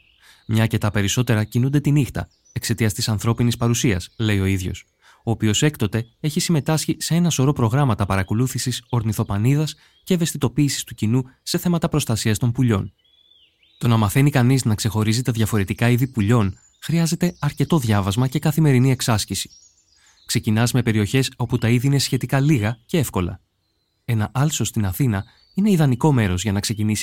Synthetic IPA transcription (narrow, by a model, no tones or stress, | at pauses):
mɲɐːce̞t̪ɐpe̞ɾiso̞t̪e̞ɾɐcinund̪e̞t̪inixt̪ɐ̰ | e̞kse̞t̪iɐst̪isɐnθɾo̞pinispɐɾusiɐsle̞io̞iðʝo̞̰s | o̞ːpio̞se̞kt̪o̞t̪e̞e̞çisime̞t̪ɐsçise̞e̞nɐso̞ɾo̞pɾo̞ɣɾɐmɐt̪ɐpɐɾɐko̞luθisiso̞ɾniθo̞pɐniðɐs | ce̞ːve̞st̪it̪o̞piːsi̥st̪ucinuse̞θe̞mɐt̪ɐpɾo̞st̪ɐsiɐst̪o̞mpuʎo̞̰n | t̪o̞nɐmɐθe̞nikɐniznɐkse̞xo̞ɾizit̪eðʝɐfo̞ɾe̞t̪ikɐiðipuʎo̞n | xɾiɐze̞t̪e̞ɐɾce̞t̪o̞ðʝɐvɐzmɐce̞kɐθime̞ɾinie̞ksɐsçisi̥ | kse̞cinɐzme̞pe̞ɾio̞çe̞so̞put̪ɐiðiine̞sçe̞t̪ikɐliɣɐce̞e̞fko̞lɐ̰ | e̞nɐʔɐlso̞st̪inɐθinɐ | ine̞iðɐniko̞me̞ɾo̞zʝɐnɐkse̞cinisi̥